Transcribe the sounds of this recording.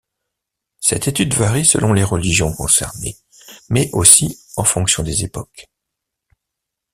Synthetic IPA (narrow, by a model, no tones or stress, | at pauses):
sɛ̰t̪et̪yd̪vaʁisə̰lʔɔ̃leʁəliʒjɔ̃kɔ̰̃sɛ̰ʁnḛ | mɛʔosiɑ̃fɔ̃ksjɔ̃d̪ezepɔk